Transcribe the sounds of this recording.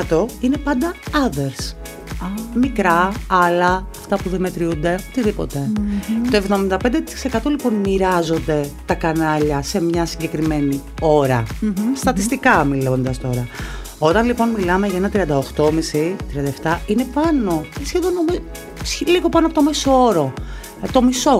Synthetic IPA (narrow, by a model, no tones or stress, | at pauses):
ɐt̪o̞ine̞pɐnd̪ɐɐðeɾs | mikɾɐɐlɐɐft̪ɐpuðemet̪ɾiund̪e̞ot̪iðipo̞̰t̪e̞t̪o̞e̞vðo̞mind̪ɐped̪et̪i̥si̥se̞kɐt̪o̞lipo̞nmiɾɐzo̞nd̪e̞t̪ɐkɐnɐʎɐse̞mɲɐsiɲɟe̞kɾime̞ni | o̞ɾɐst̪ɐt̪ist̪ikɐmilond̪ɐst̪o̞ɾɐ | o̞t̪ɐnlipo̞nmilɐme̞ʝɐenɐt̪ɾiɐnd̪ɐoxt̪o̞misit̪ɾiɐnd̪ɐeft̪ɐine̞pɐno̞sçeðo̞nomiz | sliɣo̞pɐnoɐpot̪omesoo̞ɾo̞ | t̪o̞miso̞